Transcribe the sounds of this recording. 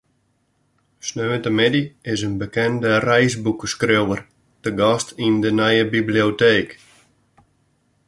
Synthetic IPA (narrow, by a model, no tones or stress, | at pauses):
snøːəntəmɪdiɪsənbəkɛndərɛjsbukəskrewər | təɡɔstʰindənɛjəbiblioteːk